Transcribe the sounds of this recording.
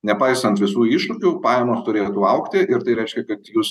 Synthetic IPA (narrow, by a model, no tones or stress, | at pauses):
nʲɛpɐɪsɐnt̪ʋʲɪsuːiːʃʊkʲupɑːjɛmoːst̪ʊɾʲeːt̪uːɐʊkt̪ʲɪʔɪɾt̪ɐɪɾʲɛɪʃʲkʲɛkɐt̪juːs